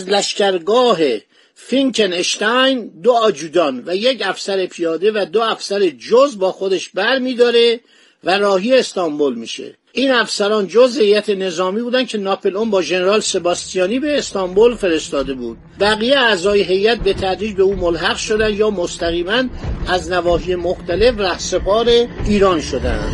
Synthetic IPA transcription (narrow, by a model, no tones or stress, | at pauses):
æzlæʃcæɾɡɒːɦe | fiŋkʰeneʃt̪æjnd̪oɒːd͡ʒuːd̪ɒnvæje̞cæfsæɾepʰijɒːd̪e̞væd̪oæfsæɾed͡ʒozbɒːxod̪eʃbæɾmiːd̪ɒːɾe̞ | væɾɒːɦijeːst̪ɒmbolmiːʃḛ | ʔiːnæfsæɾɒːnd͡ʒozhe̞jæt̪ʰene̞zɒːmiːbuːd̪ænd̪kʰe̞nɒːpʰelombɒːʒe̞ne̞ɾɒːlse̞bɒːst̪ijɒːniːbe̞ːst̪ɒmbolfe̞ɾe̞st̪ɒːd̪e̞buːd̪̥̚bæɣijeæzɒːjeɦe̞jæt̪̚be̞t̪ʰæd̪ɾiːd͡ʒbe̞uːmolɦæɣʃo̞d̪ænd̪jɒːmost̪æɣiːmænæznævɒːɦije̞moxt̪æle̞fræhse̞pʰɒːɾe̞iːɾɒːnʃo̞d̪æ̰nd̪̥